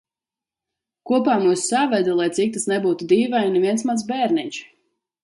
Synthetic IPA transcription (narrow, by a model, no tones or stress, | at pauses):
kuɔpaːmuːsːavɛd̪ulˠajt̪sik̚t̪asnɛbuːt̪ud̪iːvajnɛvʲiɛnsmaz̬bɛːɾnit͡ʃ